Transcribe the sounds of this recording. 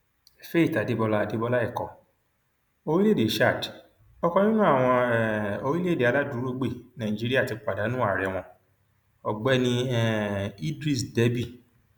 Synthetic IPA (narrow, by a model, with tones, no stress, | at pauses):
ɛ˨fe˦i˦˨ta˨de˨˦bɔ˧la˦˨de˦bɔ˧la˦ɛ˦˨kɔ˨ | o˧ɾi˦le˦˨e˨˦ʃa˦˨d | ɔ˧kɔ̃˧nĩ˦nũ˦a˦˨w̃ɔ̃˧˦o˧ɾi˦le˦˨de˨a˨˧la˦du˨˦ɾo˧ɡ͡be˦˨nã˨d͡ʒi˨˦ɾi˦a˦˨ti˨˧k͡pa˨da˨˦nũ˦a˦˨ɾɛ˨w̃ɔ̃˧ | ɔ˨ɡ͡bɛ˦nĩ˧ɛ˦i˦dɾi˦˨sde˨˦bi˦˨